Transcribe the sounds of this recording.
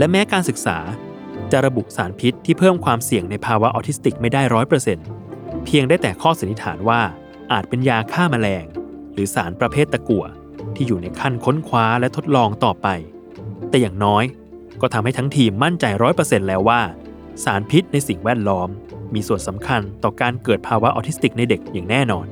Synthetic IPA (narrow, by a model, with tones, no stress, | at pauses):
lɛ˦˥mɛː˦˥kaː˧nsɯ˨˩k̚sa̰ː˩˦ | t͡ɕa˨˩ʔɾa˧bu˨˩saː˩˦npʰi˦˥t̪ʰːiː˥˩pʰɤː˥˩mkʰwaː˧msi˨˩əŋna˧jpʰaː˧wa˦˥ʔɔ̰ː˧t̪ʰi˦˥st̪i˨˩k̚ma˥˩jda˥˩jɾɔː˦˥jpɾɤː˧se˧npʰi˧əŋdaː˥˩jt̪ɛː˨˩kʰɔː˥˩sa˨˦nːi˦˥t̪ʰa̰ː˩˦nwaː˥˩ | ʔaː˨˩t̪̚pe˧njaː˧kʰaː˥˩ma˧lɛː˧ŋɾɯː˩˦sa̰ː˩˦npɾa˧pʰeː˥˩t̪ːa˧ku˨˩ə | t̪ʰiː˥˩juː˨˩na˧jkʰa˥˩nkʰo˦˥nkʰwaː˦˥lɛ˦˥t̪ʰo˦˥t̪̚lɔː˧ŋt̪ɔː˨˩pa˧j | t̪ɛː˨˩jaː˨˩ŋnɔː˦˥j | kɔː˥˩a˧mha˥˩jt̪ʰŋt̪ʰiː˧mːa˥˩nt͡ɕa˧jɾɔː˦˥jpɤ˧se˧nlɛː˦˥waː˥˩ | saː˩˦npʰi˦˥t̪̚na˧jsi˨˩ŋwɛː˥˩t̪̚lɔː˦˥mːiː˧su˨˩ənsa˩˦mkʰa˧nt̪ɔː˨˩kaː˧nkɤː˨˩t̪̚pʰaː˧wa˦˥ʔɔː˧t̪ʰi˦˥t̪i˨˩k̚na˧jde˨˩k̚jaː˨˩ŋnɛː˥˩nɔː˧n